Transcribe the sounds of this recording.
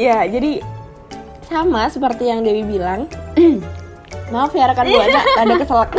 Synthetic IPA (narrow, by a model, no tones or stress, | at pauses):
jad͡ʒadi | samasəpərt̪ijaŋdewibilaŋ | maafiaɾkanbuanaʔadakəsalak̚